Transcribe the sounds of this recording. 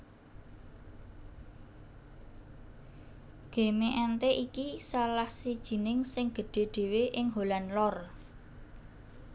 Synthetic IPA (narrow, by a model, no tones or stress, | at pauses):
ɡ̥e̤meʔɛnt̪eʔikisalahsid̥ʒ̥i̤nɪŋsɪŋɡ̥ə̤ɖ̥e̤ɖ̪̥e̤weʔɪŋɦolanlɔr